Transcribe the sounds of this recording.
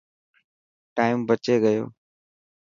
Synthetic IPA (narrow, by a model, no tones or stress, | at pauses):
ʈaːɪmbət͡ʃeːɠəjo̰ː